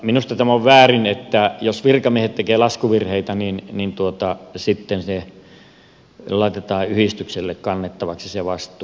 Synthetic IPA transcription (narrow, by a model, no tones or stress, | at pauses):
minust̪ɑt̪æmoʋʋæːrinet̪ːæjosʋirkɑmiehet̪t̪ekeːlɑskuʋirheit̪æninnint̪uot̪ɑsit̪ːense | lɑˑit̪et̪ɑːʔyhist̪ykselːekkɑnːet̪ːɑʋɑksiseʋɑst̪ˑuː